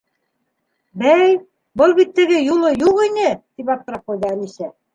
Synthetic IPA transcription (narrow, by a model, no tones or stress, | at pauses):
bæj | bɤlˠβit̪ːɘ̆ɡɘjulˠɤjuʁinɘt̪ipɑp̚t̪ɤ̆ɾɑpŏjd̪ɑænisæ